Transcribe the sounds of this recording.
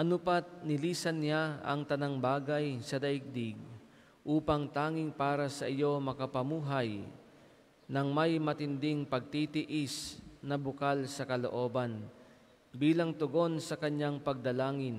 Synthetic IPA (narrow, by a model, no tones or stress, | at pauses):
ʔɐnʊpat̪̚nɪliːsɐnːɪjaɐ̰ŋt̪ɐnaŋbaːɡajsɐd̪ɐʔɪɡ̚d̪ɪɡ | ʔuːpɐŋt̪aːŋɪŋpaːɾɐsɐʔɪjo̞mɐkɐpɐmuːɦaj | nɐŋmɐjmɐt̪ɪnd̪ɪŋpɐɡ̚t̪it̪ɪʔɪsnɐbʊkalsɐkɐlo̰ʔo̞ːbɐn | biːlɐŋt̪ʊɡo̞nsɐkɐɲaŋpɐɡ̚d̪ɐlaːŋɪn